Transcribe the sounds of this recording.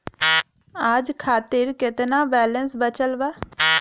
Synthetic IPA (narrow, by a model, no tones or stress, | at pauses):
ad͡ʒkʰaːt̪ɪɾkɪt̪naːbɛːlənsbət͡ʃəlbaː